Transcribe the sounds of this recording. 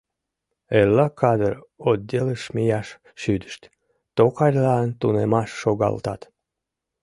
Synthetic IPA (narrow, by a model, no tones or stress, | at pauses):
elːɑkʰɑd̪əɾod̪̚ʲeləʃmʲijɑʃ | ʃyd̪ə̥ʃt̪ʲ | t̪okɑɾʲlɑːnt̪unemɑʃːoɣɑ̰lt̪ɑt̪